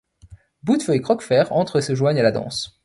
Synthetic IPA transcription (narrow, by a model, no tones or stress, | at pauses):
bud̪fœekχɔkfɛʁɑ̃t̪χesəʒwaɲalad̪ɑ̰̃s